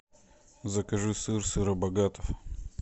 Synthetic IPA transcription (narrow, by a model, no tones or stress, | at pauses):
zɐkɐʐɨsɨrsɨɾɐbɐɡat̪ɐf